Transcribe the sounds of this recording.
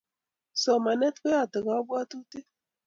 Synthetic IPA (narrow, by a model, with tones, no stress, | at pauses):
sɔ˨ma˨nɛ˦tke˦ja˦˨tɪ˨ɡa˨˦bwa˦tu˦te˦